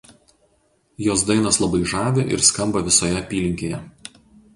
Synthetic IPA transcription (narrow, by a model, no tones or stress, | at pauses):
joːs̬d̪ɐɪnɐslˠɐbɐɪʒɑːʋʲɪʔɪ̰ɾskɐmbɐʋʲɪsoːjɛɐpʲiːlʲɪŋʲkʲeːjɛ